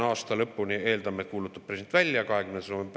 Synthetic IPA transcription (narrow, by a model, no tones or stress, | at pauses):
ɑːst̪ɑlɤ̞pːunie̞ːld̪ɑmekuːlut̪ːˑu̥pːresent̪vælʲːjɑkɑɦe̞kymne̥somem